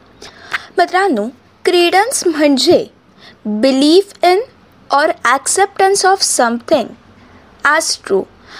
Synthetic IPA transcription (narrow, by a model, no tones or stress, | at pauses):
mət̪ɾaːnũ | kɾiːɖənsmə̃ɳd͡ʒe | bɪliːfɪn | ɔːɾɛksɛp̚ʈə̃nsɔːfsɐ̃mt̪ʰɪ̃ŋɡ | asʈɾṵː